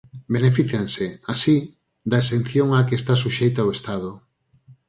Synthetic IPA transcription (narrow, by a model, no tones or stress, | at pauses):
benefiθjanseasi | d̪aesen̟θjoŋakest̪asuʃejt̪aoest̪aðo